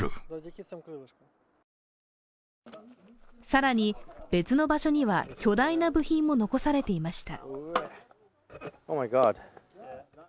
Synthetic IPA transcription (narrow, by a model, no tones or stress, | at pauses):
ɯ̰ | saɾaɲ̟ib̥e̞t͡sɨno̞baɕo̞ɲ̟iβa̰kʲo̞d̪ainabɯ̟çĩmːo̞no̞ko̞saɾe̞t̪e̞imaɕi̥t̪a̰ | oːmaɪɡɑd̪